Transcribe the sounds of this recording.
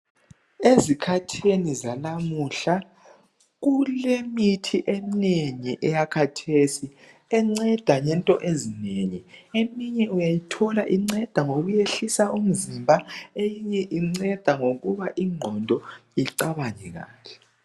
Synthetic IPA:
ezikʰatʰenizanamuɬa | ɣulemitʰiʔemineŋiʔɛjakʰatʰesi | ɛŋ͡ǀɛd̥ʱaɲɛntʼɔʔezineɲiemiɲɛujajitʰɔlaʔiŋ͡ǀɛd̥ʱaŋoɣujeɬisaʔum̩zimbʱaejiɲɛʔiŋ͡ǀɛd̥ʱaŋoɣuβaʔiŋ͡ǃʱɔndʱɔiǀaβaɲɛɣa̰ːɬɛ̥

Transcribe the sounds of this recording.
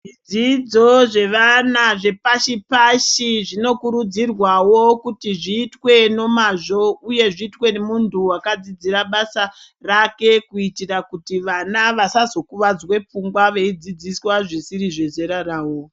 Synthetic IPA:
ʐid͡zid͡zo̞ʐe̞ʋanaʐe̞paʃipaʃiʐino̞kuɾud͡zirwawokutiʐiːtwe̞no̞maʐo̞uje̞ʐiːtwe̞nemuntʰuwakad͡zid͡ziɾaɓasa | rake̞kuitirakutiʋanaʋasazo̞kuʋad͡zwe̞p͡fuŋɡwaʋe̞id͡zid͡ziswaʐisiɾiʐe̞ze̞ɾaɾaːwo̞

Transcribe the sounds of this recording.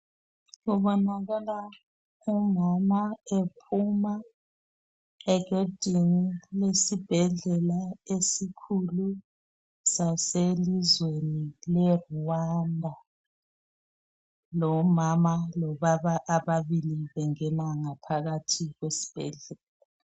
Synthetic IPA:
ɣuβɔnaɣala | umamaepʰuma | ɛɣed̥ʱinilesib̥ʱɛɮɛlaesikʰulu | saselizwenilɛrwandʱa | lɔmamalɔβaβaʔːβaβiliβɛŋɛnaŋapʰaɣatʰiɣwesi̥b̥ʱɛ̰ɮɛla

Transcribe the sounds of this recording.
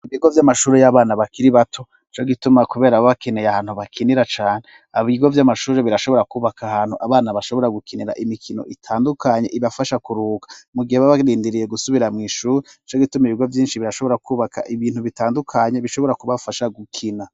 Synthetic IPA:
iβiːɡo̞vjamaʃuːɾejaβaːnaβakiɾiβatʰo̞ | t͡ʃoɡitumakuβe̞ːɾaβoβakenejahaːn̥huβakʰiniɾat͡ʃaːne | aβiːɡo̞vjamaʃuːɾe̞βiɾaʃoβo̞ɾakuːβakʰahaːn̥huʔaβaːnaβaʃo̞βo̞ɾaɡukʰiniɾa̰ʔimikʰino̞̰ʔitʰaːndukʰaɲe̞ʔiβafaʃakuɾuːkḁmuɡiheβaβaɾiːndiɾije̞ɡusuβiɾamŋiːʃuːɾet͡ʃoɡitumiβiɡo̞vjiːnʃiβiɾaʃo̞βo̞ɾakʰuːβakʰa̰ʔiβiːn̥uβitaːndukʰaɲe̞βiʃo̞βo̞ɾakuβafaʃaɡukʰina

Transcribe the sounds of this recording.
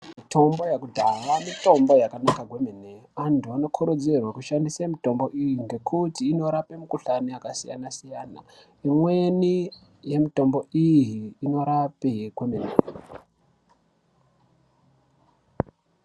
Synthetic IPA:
mitʰo̞mbo̞jakudʱaʋamito̞mbo̞jakanakaɡwe̞meneantuano̞kʰuɾod͡zerwakuʃandisemito̞mbo̞ʔijinde̞kʰutiːno̞ɾapemukuɬaniakasija̰nasijana̰ | imwe̞ni | je̞mito̞mbo̞ijiːno̞ɾapekwemenḛ

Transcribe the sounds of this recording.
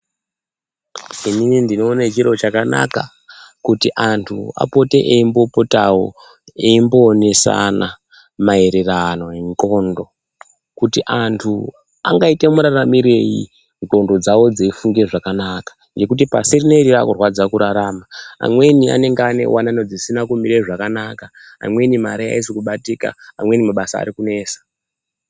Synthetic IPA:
iminindino̞ːnet͡ʃiro̞t͡ʃakana̰ka | kutiʔantʰṵa̰po̞te̞ʔeimbo̞po̞tawo̰ | eimbo̞ːne̞sa̰na | mae̞ɾe̞rano̞eŋko̞ːndo̞ | kutiʔantʰu | a̰ŋɡaite̞muɾaramiɾe̞jḭ | ŋko̞ndo̞d͡zawo̞d͡zeifuŋɡe̞ʐakanakḁ | ŋɡe̞kut̬ipasirineɾirakurwad͡zakuɾaɾaːmaa̰mwe̞nia̰ne̞ŋɡane̞̰wananod͡zisinakumiɾeiʐakanakaa̰mwe̞nimaɾia̰isikuɓatika̰amwe̞nimaɓasa̰ːɾikune̞ːsḁ

